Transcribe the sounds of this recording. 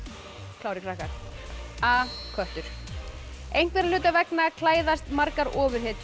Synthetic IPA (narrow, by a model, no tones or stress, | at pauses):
kʰlaːwɾɪkʰɾahkaɾ̥ | aːkʰœht̪ʏɾ̥ | ejŋ̥kvɛɾalʏːt̪avɛknakʰlaːjðast̪maɾkaɾɔːvʏɾ̥hɛːt̪